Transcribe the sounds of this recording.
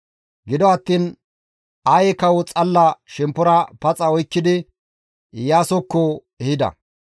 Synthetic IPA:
ɡɪd̪ɔɐt̪ːiːn | ajɛkɐwʊt͡sʼɐlːɐʃɛmpːʊɾɐpɐt͡sʼɐɔjkːɪd̪ɪ | jaːsɔkːɔ | ɛhɪd̪ɐ̰

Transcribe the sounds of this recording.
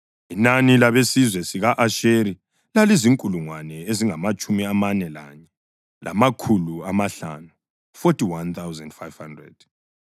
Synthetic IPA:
inanilaβesizwɛsiɣaʔaʃeɾi | laliziŋkʼuluŋwanɛeziŋamat͡ʃʼumiamanɛlaɲɛ | lʔa̰makʰuluamaɬa̰nu | fotʼiwant̪ʰawzɛndfajv̥handrɛ̰d̥

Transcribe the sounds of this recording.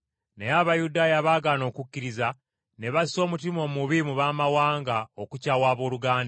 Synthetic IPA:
nejaβajudaːjaβaːɡano̞ːkucːiɾiza | ne̞βaso̞ːmutimo̞ːmuβimuβaːmawaːŋɡao̞kucaːwaːβo̞ːɾuɡaːnda

